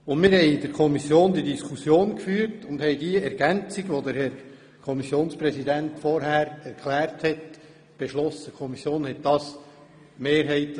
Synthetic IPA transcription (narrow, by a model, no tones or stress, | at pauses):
ʊndmɪːɾhɛɪd̥əɾkʰɔmisjoːnd̪idiskʰusjoːnkfyːɾtʊnd̥̪hɛɪdiəɛɾɡ̥ænt͡siɡʋod̪əɾhɛɾ | kʰɔmisjoːnspɾɛsid̪æntfɔɾɦæːɾɛɾkʰlæːɾthɛt | b̥eʃlɔsəkʰɔmisjoːnhɛtdɑːs | meːɾɦɛɪt